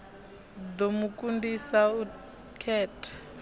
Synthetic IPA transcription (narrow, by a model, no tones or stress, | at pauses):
d̪omukʼundisau | kʰɛːtʰḁ